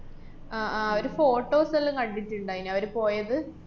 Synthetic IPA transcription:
aːʔːɐʋɐɾufo̞ːʈːoːsɐlːɐŋkɐɳɖitːuɳɖaːjinɐʋɐɾupo̞ːjɐðɨ

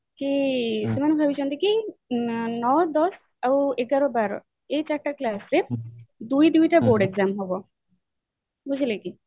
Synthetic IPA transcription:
kisemanbʱabit͡ʃɔnd̪iki | nɔd̪ɔs | awueɡaɾɔbaɾɔ̰ | ejt͡ʃaɾʈaklasɾed̪ujd̪ujtaboɖeɡzamɦɔbɔ | buzileki

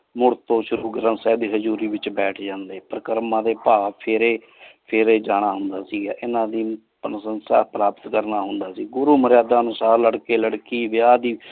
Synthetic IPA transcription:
mʊɾt̪õːʃʊɾuːɡɾə̃nsɛːd̪iːɦəd͡ʒuːɾiːʋɪt͡ʃbɛːʈʰd͡ʒãːnd̪eːpəɾəkəɾmãːd̪eːpaːpʰɪɾeː | pʰeːɾeːd͡ʒaːɽ̃aːɦʊnd̪aːsiːɡa̰ːʔɪnãːd̪iː | pənsənsa̰ːpɾaːpət̪kəɾnaːɦʊnd̪aːsiːɡʊɾuːməɾjaːd̪aːənʊsaːɾləɽkeːləɽkiːʋɪjaːd̪iː

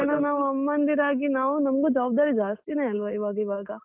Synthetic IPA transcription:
ɐnɐnaːʋuɐmːɐnd̪iɾaːɡinaːʋunɐmɐɡud͡ʒaːb̚d̪aːɾid͡ʒaːst̪ineɐlʋɐiʋaːɡɐiʋaːɡɐ

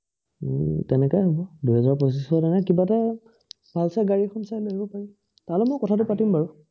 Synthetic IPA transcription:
tɛnɛkɔjɦɔbɔduɦɛzaɹpɔsisɔdanakibata | bʱalsaɡaɹikʰɔnsajloɦibɔpaɹi | taɹlɛmɔjkɔtʰat̬ʊpatimbaɹu

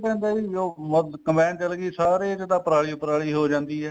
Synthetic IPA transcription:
pɛ̃ːnd̪aːioːməkəmbɛ̃ːnt͡ʃəlɡiːsaːɾeːd͡ʒed̪aːpəɾaːɭiːpəɾaːɭiːɦoːd͡ʒãːnd̪iːɦɛː

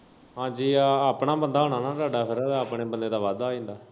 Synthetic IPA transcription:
ɦãːd͡ʒiːaːpɳaːbənd̪aːɦoːnaːnaːɾaːɖaːpʰɪɾaːpɳeːbənd̪eːd̪aːʋaːd̪aːĩːnd̪aː

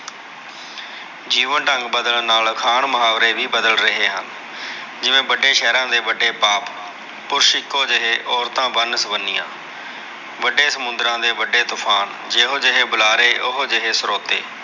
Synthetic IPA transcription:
d͡ʒiːʋənʈəŋɡbəd̪əlnaːlkʰaːɳmʊɦaːʋɾeːʋiːbəd̪əlɾəɦeːɦə̰n | d͡ʒɪʋẽːbəɖeːʃɛːɾãːd̪eːʋəɖeːpaːp | pʊɾʃɪkːoːd͡ʒɪɦeːʔɔːɾt̪ãːbənsʋənːɪjã̰ː | ʋəɖeːsəmʊnd̪ɾãːd̪eːʋəɖeːt̪ʊpʰaːn | d͡ʒeːɦoːd͡ʒeɦeːbʊlaːɾeːʔʊɦod͡ʒeɦeːsəɾoːt̪ḛː

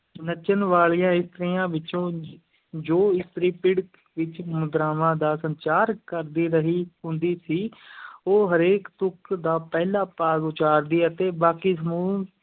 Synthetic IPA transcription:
nət͡ʃənʋaːɭijãːɪst̪əɾiːãːʋɪt͡ʃõː | d͡ʒoːɪst̪əɾĩːpɪɽ | ʋɪt͡ʃmʊd̪ɾaːmãːd̪aːsəɲt͡ʃaːɾkəɾd̪iːɾəɦiːɦʊ̃nd̪iːsiːoːɦəɾeːkt̪ʊkd̪aːpɛːlaːpaːɡʊt͡ʃaːɾd̪iːət̪eːbaːkiːsəmuː

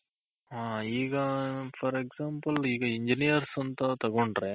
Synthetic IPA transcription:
ɦaːiːɡɐfʰɐɾeksaːmpɐliːɡɐiɲd͡ʒinijɐɾsɐnt̪ɐt̪ɐɡoɳɖɾeː

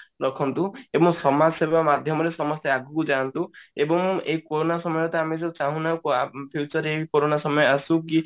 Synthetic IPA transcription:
ɾɔkʰɔnt̪ũebɔŋsɔmasebʱamad̪ʱjɔmɔɾesɔmɔst̪jɔaɡʱukud͡ʒant̪ũebɔŋeikoɾonasɔmɔjɔt̪ɔameset͡ʃaɦũnakpʰjut͡ʃɔɾekoɾonasɔmɔjɔasũki

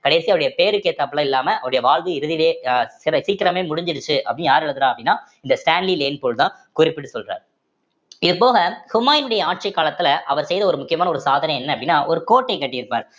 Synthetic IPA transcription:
kɐɽeːsiɐʋɾɽɐjɐpeːɾɯkːeːt̪ːɐpːɐɭɐɪlːaːmɐʔɐʋɐɾɽɐjɐʋaːlðɯɪɾɯðɪleːsɪɾɐsiːkɪɾɐmeːmʊɽɪɲd͡ʒɪɾɯt͡ʃːɯʔɐ̰pːɽɪnjaːɾɐɽɐðɯɾãːɐpːɐɽɪnːaː | ɪnd̪ɐsʈaːnlileːnpoːɭt̪ãː | kʊrɪpːɪʈːɯsɔlɾa̰ːɾ | ɪðɯpoːɣɐhʊmaːjɪnɯɽɐjɐaːʈ̚t͡ʃɐɪkːaːlɐt̪ːɪlɐʔɐʋɐɾsɛjðɐɔɾɯmʊkːɪjɐmaːnɐɔɾɯsaːðɐnɐ̃jɛnːɐpːɐɽɪnːaːʔɔɾɯkoːʈːekːɐʈːɪjɪɾɯpːaːɾ

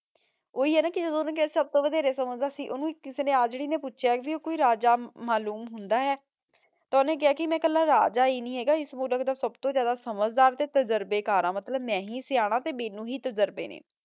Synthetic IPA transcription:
oːiːɦɛːnaːkɪd͡ʒəd̪õːnẽːkɪaːsəb̚t̪õːʋəd̪eːɾeːsəməd͡ʒd̪aːsĩːʔonũːkɪseːneːaːd͡ʒeːɽiːnẽːpʊːʃʰjaːkbiːoːkoːiːɾaːd͡ʒaːmaːluːmɦʊnd̪aːɦɛː | t̪anẽːk̬ɪaːkɪmɛ̃ːkəlːãːɾa̰ːd͡ʒaːeːnĩːɦɛːɡaːɪsmuːləkd̪aːsəbt̪õːd͡ʒjaːd̪aːsəməd͡ʒd̪aːɾt̪eːt̪əd͡ʒəɾbeːkaːɾãːmət̪ləbmɛ̃ːɦiːsɪaːɽ̃aːt̪eːmeːnũːɦiːt̪əd͡ʒəɾbḛːnḛː

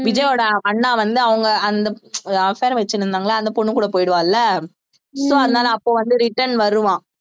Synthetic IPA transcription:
ʋɪd͡ʒɐjoːɽɐɐɳːãːʋɐnd̪ɯɐʋɐŋɡɐɐnd̪ɐɐfeːɾɐʋɛt͡ʃːɯnːɯɾɯnd̪aːŋɡɐlːaːnd̪ɐpɔɳːɯkuːɽɐpoːjɪɽɯʋãːlːɐ | soːɐðɯnaːlɐːpːoːʋɐnd̪ɯɾɪʈːɐɳʋɐɾɯʋãː

